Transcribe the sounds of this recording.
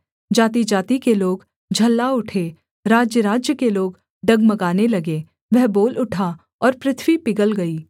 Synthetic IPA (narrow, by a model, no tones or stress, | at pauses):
d͡ʒaːt̪id͡ʒaːt̪ikeloːɡ | d͡ʒʱɐlːaʊʈʰe | ɾaːd͡ʒjəɾaːd͡ʒjəkeloːɡ | ɖɐɡmɐɡaːnelɐɡe | ʋɛɦboːlʊʈʰa | ɔːɾpɾɪt̪ʰwipɪɡəlɡɐiː